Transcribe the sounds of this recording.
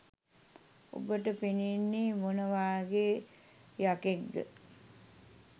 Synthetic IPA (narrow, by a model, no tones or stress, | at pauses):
o̰bəʈəpininːimonəʋaːɡeː | jakeɡɡə̰